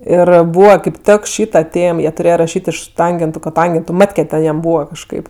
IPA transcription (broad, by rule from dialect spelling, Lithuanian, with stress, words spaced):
ˈɪr ˈbuːʋɐ kɐɪp ˈtʲɛk ˈʃʲiːtɐ ˈtʲeːm ˈjiɛ tʊˈrʲeːjoː rɐˈʃʲiːtʲ ɪʃ ˈtɐŋʲɡʲɛntʊ koːˈtɐŋʲɡʲɛntʊ ˈmɑːtʲkʲɛ tʲɛn jɛm ˈbuːʋɐ kɐʃˈkɐɪp